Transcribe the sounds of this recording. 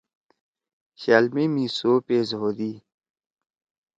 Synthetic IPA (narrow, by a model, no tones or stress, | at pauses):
ɕaːlmimiːsoːpeːzɦoːd̪iː